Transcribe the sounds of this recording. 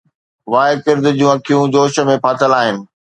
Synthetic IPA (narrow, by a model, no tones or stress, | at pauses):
ʋaːɪkɪɾd̪ɪd͡ʑũːɐkʰijũd͡ʑoːʃə̆mẽpʰaːt̪ʰəlaːɦɪnɪ̆